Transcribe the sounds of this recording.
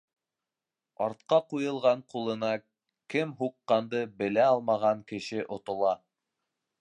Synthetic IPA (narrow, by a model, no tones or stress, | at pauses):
ɑɾt̪̚qɑqujɤ̆lˠʁɑɴqulˠɤ̆nɑ | kɘmɦuqːɑnd̪ɤbɘ̆læɒlˠmɑʁɑŋkɘ̆ʃɘʔŏt̪ŏlˠɑ